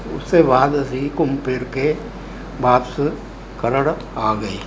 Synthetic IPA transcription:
ʊ̰sːebaːd̪ɐsikʊmpɪɾke | baːps | kɐɾəɽ | aːɡɐiː

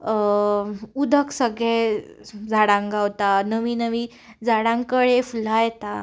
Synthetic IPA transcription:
ud̪ʱəksəɡɭe | d͡zʱaɽãŋɡawt̪anəʋiːnəʋi | d͡zʱaɽãŋkəɭeful̤ajt̪a

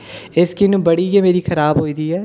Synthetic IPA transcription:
ɪskinũbɐɽiɡemeːɾixʰɐɾaːbɦoːiːd̪iːɦɛː

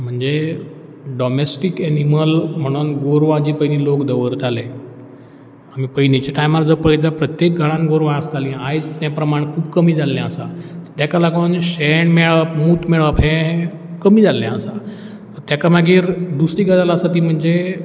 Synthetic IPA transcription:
m̤əɳd͡ze | ɖɔmesʈikeniməlm̤əɽ̃uːnɡoɾʋãd͡ʑipəɦinilokd̪əʋəɾt̪ale | amipəinit͡ɕaʈajmaɾd͡zəpəit̪apɾət̪jek̚ɡʱəɾãnɡoɾʋãəst̪alĩajt͡st̪jãpɾəmaɳ̃kʰuːbkəmiːd͡zalːãəsat̪əɾt̪jakalaɡonɕeɳmeɭəpmuːt̪meɭəpɦẽ | kəmiːd͡zʱalːjɛ̃əsa | t̪əɾt̪jakamaɡiːɾd̪usɾiːɡad͡zalaəsat̪iːm̤əɳd͡ze

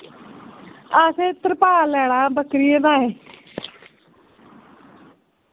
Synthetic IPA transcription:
aːseːt̪əɾpaːlɛːɽãːbəkɾiːẽːd̪ãːɦẽː

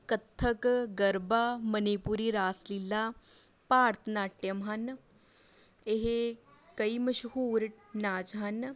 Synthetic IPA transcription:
kət̪ʰːəkɡəɾbaːməniːpuɾiːɾaːslilːaː | paːɾt̪ʰənaːʈɪjəmɦən | ɪɦekəiːməʃɦuːɾ | naːt͡ʃɦən

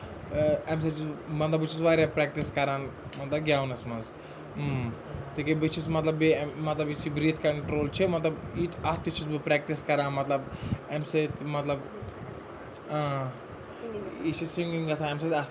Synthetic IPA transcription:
ems̬ɐt͡ʃismɐt̪lɐbit͡ʃʰisʋaːɾʲapɾɛːk̚ʈiskɐɾãːnmɐt̪lɐb̚ɡjaːʋnɐsmɐnz | t̪ikibit͡ʃʰismɐt̪lɐbimɐt̪lɐbisibɾiːt̪ʰkɐɳʈɾoːlt͡ʃʰemɐt̪lɐbit̪ɐt̪ʰːit͡ʃʰisbipɾɛːk̚ʈiskɐɾaːnmɐt̪lɐbemset̪mɐt̪lɐb | ãː | it͡ʃʰisiŋɡiŋɡɐsãemsɐt̪ɐs

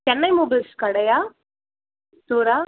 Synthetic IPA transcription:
t͡ʃɛnːɐjmoːbɐlskɐɽɐja | t̪uːɾaː

